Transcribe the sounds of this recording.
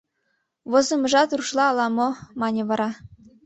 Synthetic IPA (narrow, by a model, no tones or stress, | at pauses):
βŏzɤ̆mɤ̆ʒɑt̪ruʃlˠɑːlˠɑmomɑnʲĕβɑɾɑ